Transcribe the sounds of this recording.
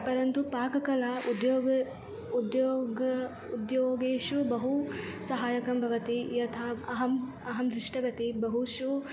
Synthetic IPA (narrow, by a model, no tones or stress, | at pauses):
pɐɾɐnt̪upaːkɐkɐlaud̪joːɡ | ud̪joːɡɐ | ud̪joːɡeːʃubɐɦusɐɦaːjɐkɐmbʱɐʋɐt̪ijɐt̪ʰaːɐɦɐm | ɐɦɐmd̪ɾɪʂʈɐʋɐt̪ibɐɦuʃu